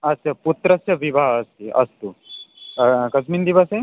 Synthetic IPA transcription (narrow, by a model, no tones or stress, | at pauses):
ɐsjɐput̪ɾɐsjɐʋibʱaɦəst̪iʔɐ̰st̪u | kɐsmind̪iʋəsẽ